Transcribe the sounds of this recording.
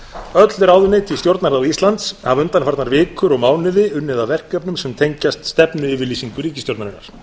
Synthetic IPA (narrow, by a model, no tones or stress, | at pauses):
œt̪lʏɾaːwðʏnːɪt̪ʰɪlst̪jowɾt̪naɾaðist̪lant̪savʏnt̪anfaɾt̪naɾvɪːkʏɾɔɣmaːwnɪðɪʏnːɪðavɛr̥kœpnʏmsɛmt̪ʰejɲcast̪st̪ɛpnʏɪːvɪɾliːsiŋkʏɾiːcɪst̪jowɾt̪naɾina̰ɾ̥